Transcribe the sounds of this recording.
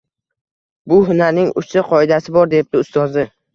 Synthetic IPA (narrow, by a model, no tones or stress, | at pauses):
bʊɦʊnaɾnɪŋʊ̰st̪ɪqʰɒɪd̪asɪbɒɾd̪e̞p̚d̪ɪʊst̪ɒzd̪ɪ